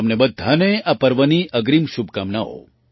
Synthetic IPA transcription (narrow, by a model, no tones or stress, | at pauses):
əmnebəd̪ʱːaneapəɾʋəniʔəɡɾimʃub̚ʱkamnao̰